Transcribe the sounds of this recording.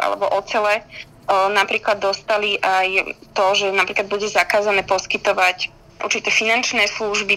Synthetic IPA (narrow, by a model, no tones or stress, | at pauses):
ʔa̰lɛ̰bɔʔɔt͡sɛlɛ | napɾiːklad̪ːɔst̪aliʔajt̪ɔʒɛnapɾiːklad̪buɟɛzakaːzanɛːpɔskit̪ɔʋac | ʔṵɾt͡ʃit̪ɛːfinant͡ʃnɛːsluʒbi